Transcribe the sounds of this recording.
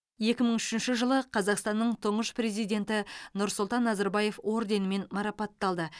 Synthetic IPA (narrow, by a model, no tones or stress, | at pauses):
je̞kʲɪməɴʏʃɪnʃɪʒəlˠəqʰɑzɑqst̪ɑnːəɴt̪ʰʊɴəʃpre̞zijd̪ʲe̞nt̪ɪnʊɾsʊlˠt̪ɑnːɑzɑɾbɑje̞fwo̞ɾd̪e̞nɪme̞nmɑɾɑpɑt̪ːɑlˠd̪ə